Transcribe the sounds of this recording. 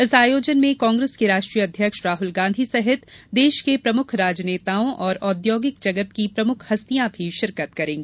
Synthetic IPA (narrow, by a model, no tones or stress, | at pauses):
ɪsaːjoːd͡ʒənmẽkɔ̃ːŋɡɾeːskeɾaːʃʈɾijəɐd̪ʱjəkʃɾaːɦʊlɡãːnd̪ʱisɛɦɪt̪d̪eːʃkepɾɐmʊkʰɾaːd͡ʒneːt̪aːõʔɔːɾɔːd̪joːɡɪk̚d͡ʒɐɡət̪kipɾɐmʊkʰhɐst̪ijãbʱiʃɪɾkət̪kɐɾẽːɡeː